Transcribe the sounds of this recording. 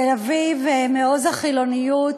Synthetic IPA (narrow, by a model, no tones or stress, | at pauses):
elavivmeozaχilo̞nijut